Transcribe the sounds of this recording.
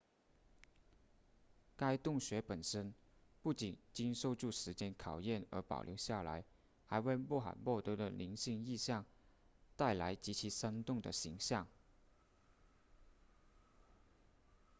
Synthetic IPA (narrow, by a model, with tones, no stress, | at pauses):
ka˥ɪt̪ʊ˥˩ŋɕɥɛ˧˥pə˨˩nʂə˥n | pu˥˩t͡ɕi˨˩nt͡ɕi˥nʂo˥˧ʊʈ͡ʂu˥˩ʂɻ̩˧˥t͡ɕjɛ˥nkʰɑ˨˩ʊjɛ˥˩nə̰˞˧˥pɑ̰˨˩ʊljo˧˥ʊɕja˥˩la̰˧˥ɪ | xa˧˥ɪwe˥˧ɪmɔ˥˩xa̰˨˩nmwɔ˥˩t̪ɤ˧˥d̪ə˧˨li˧˥nɕi˥˧ŋi˥˧ɕjɑ˥˧ŋ | t̪a˥˩ɪla˧˥ɪt͡ɕi˧˥t͡ɕʰi˧˥ʂa˥nt̪ʊ˥˩ŋd̪ə̰˩ɕi˧˥ŋɕjɑ˥˩ŋ